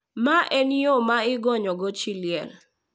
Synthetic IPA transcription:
maʔɛniomaɪɡɔɲɔɡɔt͡ʃiljɛ̰l

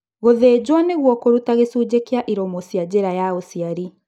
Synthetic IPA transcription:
ɣoðed͡ʑwaneɣwɔkoɾutaɣesuːd͡ʑekeaʔiɾɔmosjad͡ʑeɾajaosiaɾi

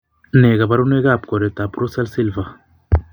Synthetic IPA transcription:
neɡabaɾuneɡap̚koɾet̪apɾusɛlsilva

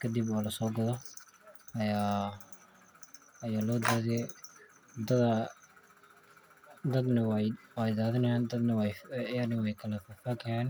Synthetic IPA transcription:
kʰɐd̪ibɔːlɐsɔːɡɐðɔ | ɐjaː | ɐjaːlɔːd̪aːðɪjɛ | d̪ɐd̪ɐ | d̪ɐd̪nɐwwɛjd̪aːðɪnɐjaːnd̪ɐd̪nɐwɛjjanɪwɛjkʰɐlɐfɐfaːkʰɐjaːn

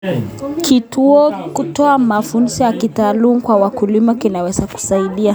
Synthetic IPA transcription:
kituɔkutɔamafunsijakitaːlumukwawakulimakinawɛzaku̥saiɗia

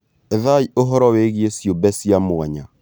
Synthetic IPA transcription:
ɛðaiʔoɦɔɾɔweɣiesjobɛsjamwaɲa

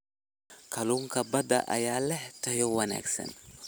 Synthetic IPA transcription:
kɐluŋkɐbɐd̪ɐ̰ʔɐ̰jaːlɛt̪ɐjɔwɐna̰ksɛ̰n

